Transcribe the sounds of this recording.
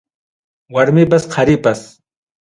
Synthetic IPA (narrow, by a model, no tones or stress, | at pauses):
waɾmɪp̬asqʰaɾɪpas